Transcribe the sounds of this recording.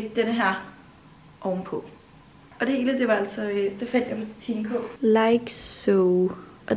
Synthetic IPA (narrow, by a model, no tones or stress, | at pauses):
ɡ̥̚d̥enəɦæɐ̰ | ʔɒʊmpʰɔ | ɒ̽d̥e̝he̝ːləd̥e̝ʋɑ̈æl̰sɒ̽ød̥efæn̰d̥jɑpʰɒt͡sʰḭːmkʰɔ̰laɪɡ̥soʊ | ʔɒ̽